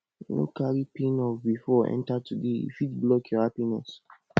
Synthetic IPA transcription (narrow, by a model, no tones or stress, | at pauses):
no̰kaɹipẽnɔfbifɔɛ̰̃ntatudeḭfidblɔkʰjɔhapinɛ̰s